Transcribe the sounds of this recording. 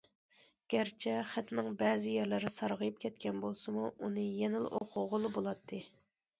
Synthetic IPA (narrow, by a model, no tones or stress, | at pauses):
ɡ̥ʲæɾt͡ʃʰɛχæt̪nɪŋbɛːzɪjɛɾlɪɾɪsɑɾʁəjyp̚kʲʰɛt̪kʲɛnbolˠsɨmuunɨjɛnɪl̰ʔo̰qʰʊʁolˠɨbolˠɑt̪ʰːɨ